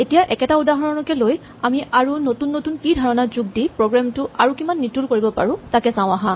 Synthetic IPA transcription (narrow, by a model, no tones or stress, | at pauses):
etijaʔɛkɛtaudaɦɔnɔlɔkɛloj | amiʔaɹunotunːotunkidʱaɹɔnazuɡ̚dipɹoɡɹamtʊaɹukimanːitulkoɹibɔpa̰ɹʊ̃takɛsãʊ̃aɦã